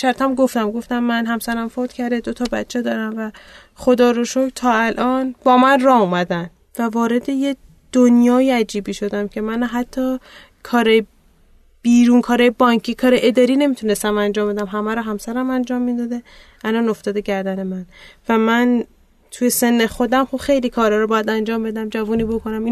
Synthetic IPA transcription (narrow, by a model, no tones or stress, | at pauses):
ʃæɾt̪ʰæmɡoft̪æmɡoft̪æmːænɦæmsæɾæmfot̪cʰæɾd̪ed̪ot̪ʰɒːbæt͡ʃʰːed̪ɒːɾæmvæ | xod̪ɒːɾoʃokt̪ʰɒːælʔɒːnbɒːmænrɒːhumæd̪æn | vævɒːɾe̞d̪e̞je | d̪̥onjɒːjiæd͡ʒiːbiːʃo̞d̪æmcʰe̞mænɦæt̪ʰːɒː | kʰɒːɾɒːje | b̥iːɾuːnkʰɒːɾɒːjebɒːŋcʰiːkʰɒːɾeʔed̪ɒːɾiːne̞miːt̪ʰune̞st̪æmænd͡ʒɒːmbe̞d̪æmɦæmæɾɔːɦæmsæɾæmænd͡ʒɒːmːid̪ɒːd̪e | ælɒno̞ft̪ɒːd̪eɟæɾd̪æne̞mænvæmæn | t̪ʰujese̞nːexo̞d̪æmxubxe̞jliːkʰɒːɾɒːɾɔbɒːjæd̪ænd͡ʒɒːmbe̞d̪æmd͡ʒævuːniːbo̞kʰo̞næmi